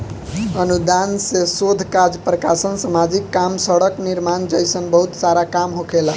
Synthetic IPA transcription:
ənud̪ansesod̪ʱkad͡ʒpɾəkasənsamad͡ʒikːamsəɽəkniɾmand͡ʒəjsənbəɦut̪saɾakamɦokʰela

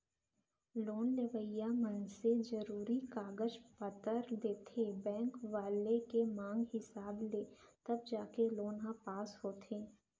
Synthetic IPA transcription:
loːnleʋəjamənsed͡ʒəɾuːɾikaːɡəd͡ʒpət̪əɾd̪eːt̪ʰebɛ̃ːŋkʋaːlekemãːŋɡhɪsaːbleːt̪ɐb̚d͡ʒaːkeloːnɦãpaːsɦoːt̪ʰeː

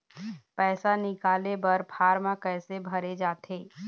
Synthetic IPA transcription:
pɛːsanɪkaːlebɐɾpʰaːɾmãkɛːsebʱɐɾed͡ʒaːt̪ʰeː

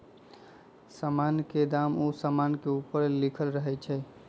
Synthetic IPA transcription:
samanked̪amosamankeupəɾlikʰəlɾəɦɛt͡ʃʰɛ

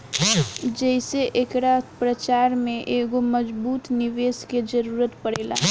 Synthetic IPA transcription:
d͡ʒɛɦɪseʔekɾaːpɾət͡ʃaːɾmẽʔeːɡomɐd͡ʒbuːt̪nɪʋeːsked͡ʒɐɾuːɾət̪pɐɽeːla̰ː

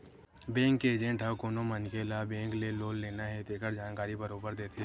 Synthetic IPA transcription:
bɛ̃ːŋkeːd͡ʒẽɳʈakoːnomənkeːlabɛ̃ːŋkleloːlːeːnaɦɛt̪eːkəɾd͡ʒaːnkaːɾibəɾoːbəɾd̪eːt̪ʰe

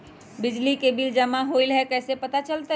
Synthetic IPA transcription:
bɪd͡ʒlikebʱid͡ʒɐmaɦoilɦɛkɛːsepɐt̪at͡ʃəlt̪a

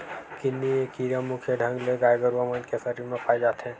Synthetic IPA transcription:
kɪnːiekiɾəmukʰjəɖʱə̃ŋɡleɡaːjɡəɾʋamənkesəɾiːɾmẽpaːid͡ʒaːt̪ɦɛ̃

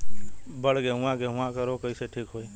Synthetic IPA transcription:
bəɽɡeɦʊ̃ãkeɦʊ̃ãkəɾokəɪseʈʰiːkɦoi

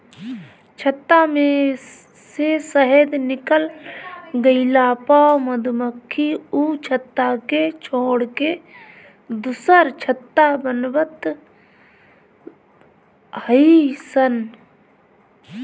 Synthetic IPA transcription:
t͡ʃʰət̪ːamẽ | sesəɦed̪nɪkəl | ɡəɪlaːpaməd̪məkʰːiuːt͡ʃʰət̪ːaket͡ʃʰoːɽke | d̪ʊsəɾt͡ʃʰət̪ːabənbət̪ | həisən

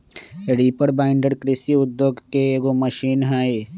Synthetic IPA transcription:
ɾiːpəɾbaːɪ̃ɳɖəɽkɾɪsiʊd̪joːɡkeɡoməʃiːnɦɛːe

